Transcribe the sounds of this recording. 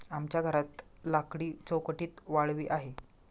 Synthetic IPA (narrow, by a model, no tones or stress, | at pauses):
amt͡ɕjaɡʱəɾat̪lakɽiːt͡sowkəʈiːt̪ʋaɭʋḭːʔaɦe